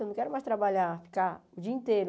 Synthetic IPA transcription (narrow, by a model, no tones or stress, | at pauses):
nɐ̃kɛɾʊmajst̪ɾabaʎafi̥kaʊd͡ʒiɐĩnt̪eɾʊ